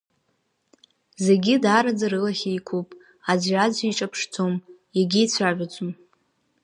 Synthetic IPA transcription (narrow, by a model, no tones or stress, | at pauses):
ze̞ɡʲɪdaɾad͡zaɾɨlaχʲejkʷʰupʼ | ad͡zʕad͡zʷiʈ͡ʂʼapʰʂt͡sʰomjaɡʲijt͡ɕʷʰaʒʷᶣad͡ʒʷʼɨm